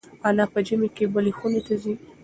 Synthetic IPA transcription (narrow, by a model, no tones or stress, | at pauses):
anapəd͡ʒɪmekebəlexunet̪azi